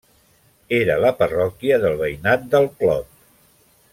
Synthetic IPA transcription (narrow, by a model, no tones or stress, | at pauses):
eɾələpərɔkiəðəlˠβəjnat̪̚d̪əlˠklɔp̚